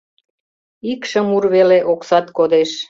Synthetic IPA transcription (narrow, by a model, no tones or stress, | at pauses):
ikʃə̆murβeleʔoksɑt̪kod̪eʃ